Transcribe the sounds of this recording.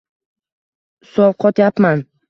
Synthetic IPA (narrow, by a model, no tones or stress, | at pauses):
sɒwqʰɒt̪japman